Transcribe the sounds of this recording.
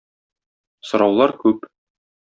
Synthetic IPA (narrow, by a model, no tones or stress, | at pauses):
sŏɾɑwlˠɑɾkʉp